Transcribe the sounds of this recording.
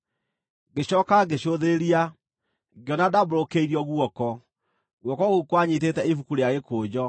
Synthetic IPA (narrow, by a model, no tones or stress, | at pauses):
ɡeɕɔːkaɡeɕoðeɾia | ɡeɔnadabɾokeiɾiɔɣwɔkɔ | ɣwɔkɔɣukwaɲitetɛifukuɾeaɣekoːd͡ʑɔ